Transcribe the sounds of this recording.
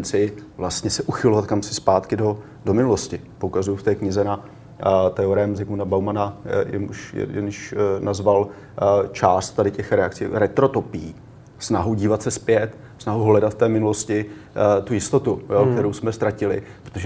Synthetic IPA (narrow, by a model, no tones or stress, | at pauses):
nt͡sɪvlast̪ɲɛsɛʔuxɪlovat̪̚kamsɪspaːt̪kɪdo̞ | do̞mɪnulo̞scɪpokazujuft̪ɛːkɲɪzɛna | t̪ɛoɾɛɛmzɪkunabawmanajɛ̰nṵʃjɛ̰jɛ̰nʃnazval | t͡ʃaːst̪t̪ːadɪcɛxɾɛa̰kt͡sḭːɾɛt̪ɾo̞t̪o̞pɪji | snaɦuɟiːvat̪sɛspjɛt̪ | snaɦuɦlɛdat̪ft̪ɛːmɪnuloscɪt̪ujɪst̪o̞t̪ujokkt̪ɛɾowsmɛst̪ɾacɪlɪ̰pɾot̪oʒɛ